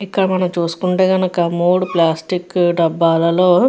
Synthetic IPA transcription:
ikːɐɽɐmɐnɐmt͡ʃuːsu̥kuɳʈeːɡɐnɐkɐmoːɽplaːsʈikɖɐbːaːlɐloː

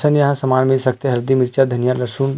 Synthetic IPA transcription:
sʰənjəɦãsəmanmilsək̚ʰt̪eɦəɾd̪imiɾt͡ʃad̪ʱənijaləɾsun

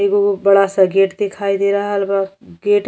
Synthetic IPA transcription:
iɡobəɽasəɡeʈd̪ekʰaid̪eɾəɦəlbaɡeʈ

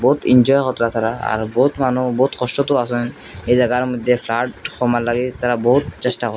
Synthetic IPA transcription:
bɔɦut̪ind͡ʒɔjxɔt̪ɾat̪ʰaɾaa̰ɹbɔɦut̪manubɔɦut̪kʰɔstɔt̪ʊasɔn | ejzaɡaɹmɔjd̪ʱːɛpʰlaʈxʰɔmalaɡit̪aɾabɔɦut̪sɛstakɔ

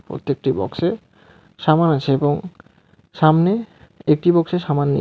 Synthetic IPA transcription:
pɾo̰t̪ːek̚ʈibɔ̰kse | ʃamanat͡ɕʰeeboŋ | ʃamneek̚ʈibɔkseɾʃamanːḭ

